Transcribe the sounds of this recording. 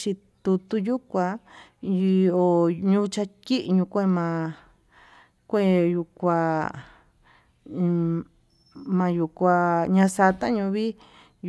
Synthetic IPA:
t͡ʃi˧ | t̪u˧t̪u˧ju˦kʷã˧ | o˨ɲũ˦t͡ʃa˧ki˦ʔɲũ˧kʷe˦mã˧ | kʷe˦˨ju˧kʷa˧ | mã˧ju˧˨kʷa˧ɲã˧sa˧t̪ã˦ɲũ˧βi˦

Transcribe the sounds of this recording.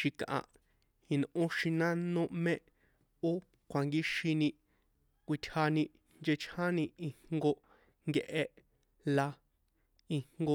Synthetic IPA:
ʃi˧kʔã̰˨ʔ | i˧nʔõ˦ʃĩ˧nã˦nõ˦mẽ˦ʔ | o˦ | kʷʰa˨ŋɡi˦ʃi˧nĩ˧ | kʷi˧t̪ʲʰha˧nĩ˧ | nd͡ʒe˧t͡ʃʰhã˦nĩ˧i˧ŋŋɡo˧ | ŋɡe˧ʔe˧ | la˧ | i˧ŋŋɡo˧

